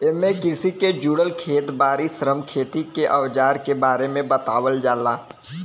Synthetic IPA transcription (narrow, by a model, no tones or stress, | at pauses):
emẽkɪɾsiked͡ʒuːɽəlkʰeːt̪baːɾisɾəmkʰeːt̪ikeʔɐʋd͡ʒaːɾkebaːɾemẽbɐt̪aːʋəld͡ʒaːlaː